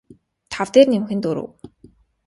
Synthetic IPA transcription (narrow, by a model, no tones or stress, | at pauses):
t̪ʰawt̪eːrnemxɘ̆nt̪ɵɾo̰ːw